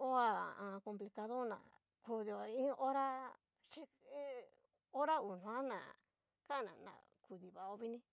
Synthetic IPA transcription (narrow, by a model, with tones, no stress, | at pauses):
o˦a˨ã˨˧ko˧mpli˧ka˧ðo˦nã̰˨ | ku˧ði˨o˨ĩ˦ʔo˦ɾa˦ | ʃi˦ | o˦ɾa˦u˨n̥ũ˨˧ã˦nã̰˨ | ka˦˨nã̰˨nã̰˨ | ku˨ði˨βa˨o˧βi˦nĩ˦